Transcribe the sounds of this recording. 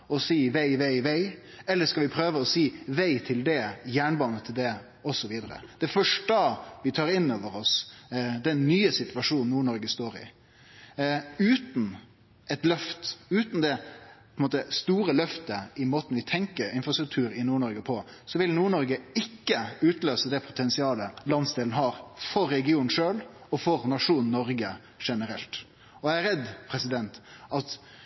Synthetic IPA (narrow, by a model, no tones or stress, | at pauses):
ɔsiːʋæɪʋæɪʋæɪ | ɛlːəskɑʋɪpʰɾøːʋəɔsiːʋæɪt̪ʰɪld̪ɛjæːɳbɑnːət̪ʰɪld̪ɛ | ɔsɔʋiːd̪əɾə̰d̪̥ɛfœʂʈəʋɪt̪ʰɑːɾɪnːoːʋəɾɔsd̪ɛnːyːəsɪt̪ʉʋɑʂuːnːuːɳɔɾɡəst̪oːɾɪ̰ | ʉːt̪n̩ | ɛt̪lœft̪ʉːt̪n̩d̪ɛpʰɔɛmoːt̪əst̪uːɾəlœft̪əɪmoːt̪nʋɪt̪ʰɛŋkəɾɪnfɾɑst̪ɾʉk̚t̪ʰʉːɾɪnuːɳɔɾɡəpʰɔ | sɔʋɪlnuːɳɔɾɡəɪkːəʉːt̪løːsəd̪ɛpʰʊt̪ʰɛnsɪɑːləlɑnsd̪ɛːlnhɑːɾfɔɾːɛɡɪuːn̩ʂøːlɔfɔɾnɑʂuːnn̩ːɔɾɡə | ʂɛnəɾɛlt̪ | ɔææɾɛd̪pʰɾɛsɪd̪ɛnt̪ɑt̪